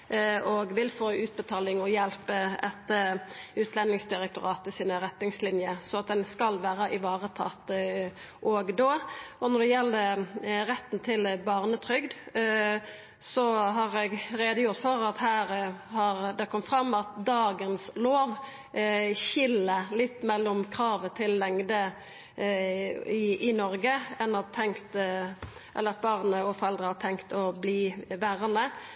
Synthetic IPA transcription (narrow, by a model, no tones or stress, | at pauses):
ɔɡʋɪlfoːʉːt̪̚bət̪ʰɑːlɪŋɔjɛlpəɛt̪ːəʉːt̪ʰlɛnɪŋsd̪ɪʁɛk̚t̪ʊɾɑːt̪əsiːnəɾɛt̪nɪŋslɪnjəsɔɑt̪̚d̪ɛnskɑlʋæːɾəʔɪʋɑːʁət̪ʰɑ̰t̪ | ʔɔɡd̪oːɔnɔʁɖ̪ɛjɛlːd̪ɛʁɛt̪ːn̩t̪ʰɪlbɑʁnət̪ʰɾʏɡd̪ | sɔɦɑʁɛɡɾeːd̪əjʊɾt̪fɔɾɑt̪hæːɾhɑɾd̪ɛkʰɔmːfʁɑmːɑt̪d̪ɑːɡənsloːʋ | çɪlːəlɪt̪ːmɛlːɔmkʰɾɑːʋət̪ʰɪlːɛŋd̪ə | ɪɪnɔɾɡəɛnːɑt̪ʰɛŋkt̪ | ʔɛ̰lːəɾɑt̪̚bɑʁnəɔfɔɾɛld̪ɾəhɑt̪ʰɛŋkt̪ɔbliːʋæɾənə